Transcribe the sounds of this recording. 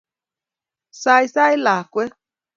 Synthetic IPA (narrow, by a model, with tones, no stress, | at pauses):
sa˧jsa˦i˦la˨kʷe˦